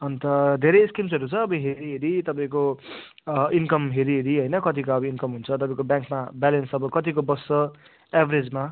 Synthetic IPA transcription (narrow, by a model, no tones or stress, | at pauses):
ʌnt̪ʌd̪ʱeɾʌjskimsʌɾut͡sʰʌːbʌɦeɾiɦeɾit̪ʌpãĩko | inkʌmɦeɾiɦeɾiɦʌjnʌkʌt̪ikoʌbʌinkʌmɦunt͡sʰʌt̪ʌpãĩkobjãŋkmabalensʌbʌkʌt̪̬ikobʌsːʌ | abʱʌɾed͡zma